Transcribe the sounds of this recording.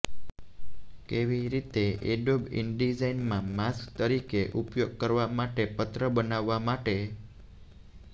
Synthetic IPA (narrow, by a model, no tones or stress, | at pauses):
keʋiɾit̪eḛɖobḭɳɖid͡ʒainmãmaskt̪əɾikeʔupjoɡ̚kəɾʋamaʈepət̪ɾəbənaʋːamaʈe